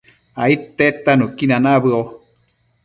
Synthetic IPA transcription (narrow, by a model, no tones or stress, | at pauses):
ait̪et̪anukinanaβɨo